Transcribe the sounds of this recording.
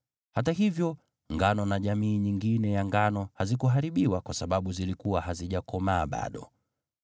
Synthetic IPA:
hataɦivjɔ | ŋɡanɔnaʄamiːɲiŋɡinɛjaŋɡanɔhazikuɦaɾiɓiwakwasaɓaɓuzilikuwahaziʄakɔmaːɓa̰ɗɔ̰

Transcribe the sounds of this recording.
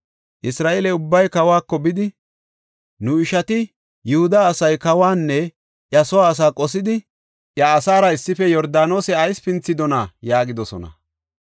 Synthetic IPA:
ʔɪsɾaːʔelɛʊbːɐjkɐwaːkːɔbɪd̪ɪ | nʊɪʃɐt̪ɪ | jʊhʊd̪aːsɐjkɐwaːnːɛ | ʔjɐsɔwaːs̬aːkʼɔsɪd̪ɪ | ʔjɐːsaːɾɐɪsːɪfɛjɔɾd̪aːno̞ːsɛɐjspɪnt͡sːɪd̪ɔnajaːɡɪd̪ɔsɔ̰nɐ̰

